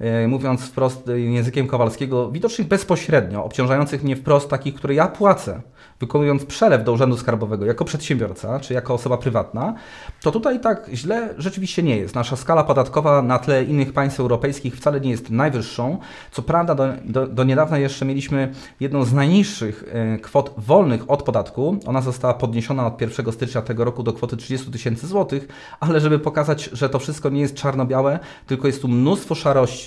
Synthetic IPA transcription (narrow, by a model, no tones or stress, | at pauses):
muvʲjɔnt̪sfpɾɔst̪jɛ̃zɘkʲɛmkɔvalskʲɛɡɔvʲid̪ɔt͡ʂnɘɣbɛspɔɕɾɛd̪ɲɔʔɔ̰pt͡ɕɔ̃ʐajɔnt̪sɘxmɲɛfpɾɔst̪ːakʲixkt̪uɾɛjapwat̪sɛ | vɘkɔnujɔnt̪spʂɛlɛvd̪ɔuʐɛnd̪uskaɾbɔvɛɡɔjakɔpʂɛt̪ɕɛmbʲjɔɾt̪sat͡ʂɘijakɔːsɔbapɾɘvat̪na | t̪ɔt̪ut̪ajt̪akʑlɛʐɛt͡ʂɘvʲiɕt͡ɕɛɲɛjɛ̰st̪naʂaskalapɔd̪at̪kɔvanat̪lɛinːɘxpaj̃st̪fɛwɾɔpɛjskʲixft̪salɛɲɛjɛst̪najvɘʂːɔ̃w̃ | t̪sɔpɾavd̪ad̪ɔɔd̪ɔɲɛd̪avnajɛʂt͡ʂɛmʲjelʲiɕmɘ | jɛd̪nɔ̃w̃znajɲiʂːɘxkfɔt̪vɔlnɘxɔt̪pɔd̪at̪kuɔ̰nazɔst̪awapɔd̪ɲeɕɔnaɔt̪̚pʲjɛɾfʂɛɡɔst̪ɘt͡ʂɲat̪ɛɡɔɾɔkud̪ɔkfɔt̪ɘtʂɘd͡ʑɛst̪ut̪ɘɕɛnt̪sɘzwɔt̪ɘx | alɛʐɛbɘpɔkazad͡ʑʐɛt̪ɔfʂɘst̪̚kɔɲɛjɛst̪̚t͡ʂaɾnɔbʲjawɛ | t̪ɘlkɔjɛst̪ːumnust̪fɔʂaɾɔɕt͡ɕi̥